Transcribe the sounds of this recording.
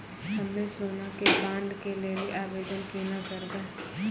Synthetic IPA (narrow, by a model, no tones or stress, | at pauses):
əmẽːsʊːnaːkebãːɳɖkeːleːliːʔaːʋeːd͡ʒ̪ənkinãːkəɾd̪aː